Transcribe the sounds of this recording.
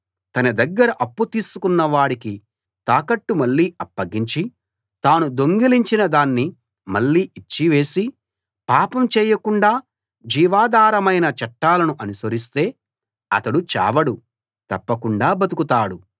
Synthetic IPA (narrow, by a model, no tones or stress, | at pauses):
t̪ɐnɐd̪ɐɡːɐɾɐʔɐpːut̪iːsukunːɐʋaːɽiki | t̪aːkɐʈːumɐɭːiːɐpːɐɡiɲt͡ʃi | t̪aːnud̪o̞ŋɡiliɲt͡ʃinɐd̪aːnːi | mɐɭːiːʔit͡ʃːiʋe̞ːsi | paːpɐmt͡ʃɛːjɐkuɳɖaː | d͡ʒiːʋaːd̪aːɾɐmɐjnɐt͡ʃɐʈːaːlɐnuʔɐnusɐɾis̬t̪e̞ː | ɐ̰t̪ɐɽut͡ʃɛ̰ːʋɐɽu | t̪ɐ̰pːɐkuɳɖaːbɐd̪ukut̪aːɽu